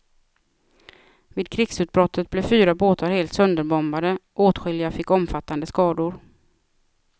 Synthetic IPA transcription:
viːd̪̚kʰɾɪɡsʉ̟ːt̪̚bɾɔt̪ʰːət̪̚blɛfyːɾaboːt̪aɾheːlt̪sɵnd̪əɾbɔmbad̪əʔoːt̪ɧʏljafɪkːɔmfat̪ːand̪əskɑːd̪ʊɾ

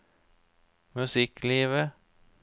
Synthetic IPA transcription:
mɵsɪkliːʋə

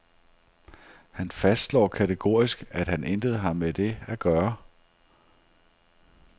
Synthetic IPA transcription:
hænfæsd̥lɒ̰ːkʰæt͡sʰeɡ̥o̝ːɐ̰isɡ̥æd̥hænʔend̥əð̞̩ˠɦɑ̈mːed̥e̝æɡ̥ɶːɐ

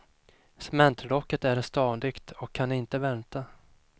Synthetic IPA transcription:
sɛmɛnt̪ʰlɔkːət̪æɾst̪ɑːd̪ɪɡt̪ɔkʰːanɪnt̪əvɛnt̪a

